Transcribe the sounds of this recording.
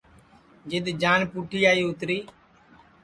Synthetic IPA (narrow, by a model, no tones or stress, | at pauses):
d͡ʒɪd̪d͡ʒaːnpuːʈʰiːaːiːʊt̪ɾiː